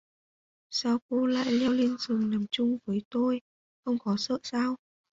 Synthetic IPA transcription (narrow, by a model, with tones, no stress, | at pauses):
saː˧wko˧la̰ː˧˨jli˧wli˧ənzɨ˨˩əŋna˨˩mt͡ɕʊ˧ŋ͡mvəː˨˦jt̪o˧j | xə˧wŋ͡mkɔ˨˦sə̰ː˧˨saː˧w